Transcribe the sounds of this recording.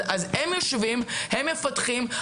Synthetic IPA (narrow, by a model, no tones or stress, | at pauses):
azhemjoʃvimhemːefat̪χim